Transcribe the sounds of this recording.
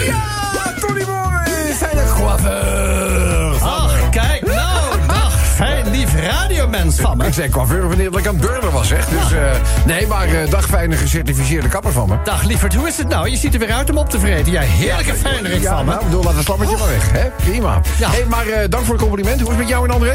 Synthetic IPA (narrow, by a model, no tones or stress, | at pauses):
jatonimo | fɛjnət | ɔxkɛjkdxfɛjnlifəraːdiomɛnsɪtsɛkʋaːvøɹəvənɪːdɑtɪkanəbøɹdəʋɑlˠsɛχdøsnejmaːɹədɑχfɛjnəχəsɛɹtifis̬ɪːɹdəkɑpərvɑ̰nməd̥ɔχlifəɹtɦuɪsətnawjəsitəɹʋɪːɾœɥtɔmɔp̚təvrejdəjɛjɦɪːɹləkəfɛjnərɪjaɑɪɡbədulˠlaːtʋəslɑpətəvɑlˠʋɛχɦɛprima̰ːjɦejmaːrədɑŋkfʊːɹətkɔmplimɛnthɦuɪsmɛtjawənɑndəre